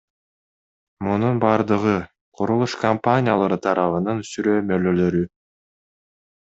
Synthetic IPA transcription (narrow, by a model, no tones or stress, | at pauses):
mununbɑːɾd̪ɯʁɯ | qʰuɾulˠuʃkɐmpanʲɪja̰lˠɑɾɯt̪ʰɑɾʔɑβɯnɯnysyɾøːmølø̞lø̞ɾy